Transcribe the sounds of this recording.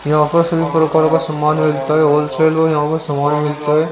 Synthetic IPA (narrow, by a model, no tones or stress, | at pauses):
jãːkosɐbipɾɐkaːɾɐkɐsɐmːaːnmɪlt̪aːɦeoːlseːlʋojãːkosɐmaːnmɪlt̪aɦeː